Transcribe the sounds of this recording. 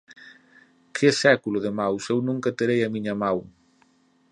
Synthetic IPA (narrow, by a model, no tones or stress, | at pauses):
kʰɪsɛkulʊðɪmawsewnũŋkɐt̪eɾejɐmiɲɐmaw